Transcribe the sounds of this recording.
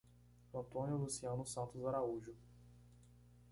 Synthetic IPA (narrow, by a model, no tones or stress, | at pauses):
ɐ̃nt̪õnjʊlusiɐ̃nʊsɐ̃nt̪ʊzaɾauʒʊ